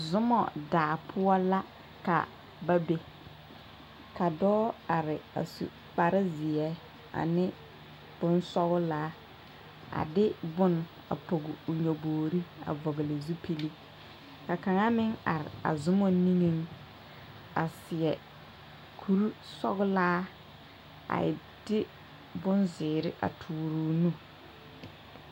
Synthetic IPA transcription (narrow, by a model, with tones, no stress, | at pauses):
zʊ˦mɔ̰˨daː˨pʰʊ˦ɔ˦la˦ | ka̰˨ | ba˦be˨ | ka˨dɔː˦a˨ɾɪ˨a̰˨sṵ˨ | k͡pa˨ɾɪ˦zɪ˨ɛ˦ | a̰˨nɪ˦ | b̥ʊ˦nsɔ˦ɣʊ˦laː˦ | a̰˨dɪ˦bʊ˦n | a̰˨po˨ɡɪ˨ʊ˨ɲo˨boː˨ɾi˦a̰˨vɔ˨ɣɪ˨lɪ˨zu˦pʰi˦li˦ | ka˨ka˨ŋa˦mɪ˦ŋa˨ɾɪ̰˨a̰˨zʊ˦mɔ˦ni˦ŋi˦ŋ | a˨sɪ˨ɛ˨ | kʰu˦ɾu˦sɔ̰˦ɣʊ˦laː˦ | a̰˨ɪ̰˨ | d̥ɪ˦ | bʊ˦nzɪː˨ɾɪ˦ʔa̰˨tʰuː˨ɾuː˦nu˦